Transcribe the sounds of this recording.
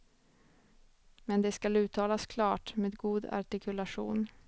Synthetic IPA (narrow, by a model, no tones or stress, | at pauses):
mɛnd̪ɛskalʉ̟ːt̪ʰɑːlaskʰlɑːʈmeːd̪ɡuːd̪a̰ʈɪkʰɵlaʂṵːn